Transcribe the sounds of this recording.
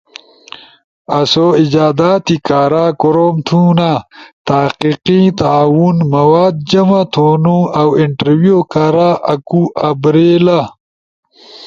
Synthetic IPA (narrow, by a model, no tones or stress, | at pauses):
ɐsoid͡ʑaːd̪aːt̪ikaːɾaːkoɾoːmt̪ʰunat̪aːqiqit̪aaːwunmɐwaːd̪̚d͡ʑɐmat̪ʰoːnuɐwiɳʈɐɾwijokaɾaʔɐkuʔɐbɾeːla